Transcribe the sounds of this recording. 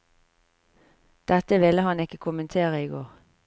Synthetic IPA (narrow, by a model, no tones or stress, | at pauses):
d̪̥ɛt̪əʋɪləhɑnɪkəkʰʊmənt̪ʰeːʁəɪɡo̰ːʁ